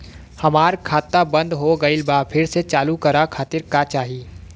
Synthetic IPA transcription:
hɐmaːɾkʰaːt̪ːabɐ̃nd̪ɦoɡɐɪlbapʰɪɾset͡ʃaːlukɐɾakʰaːt̪ɪɾkaːt͡ʃaːɦiː

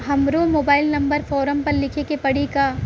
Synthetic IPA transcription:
ɦɐmɾomoːbaːɪlnɐ̃mbəɾfɔːɾəmpɐɾlɪkʰekepɐɽika

